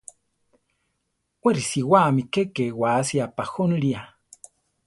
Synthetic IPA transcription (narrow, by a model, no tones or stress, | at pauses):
weɾisiwamikekewasiapaxonɺia